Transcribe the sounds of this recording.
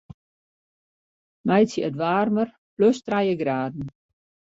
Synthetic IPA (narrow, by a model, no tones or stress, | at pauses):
mɛjt͡səətʋaːrmər | pløstrajəɡraːdn̩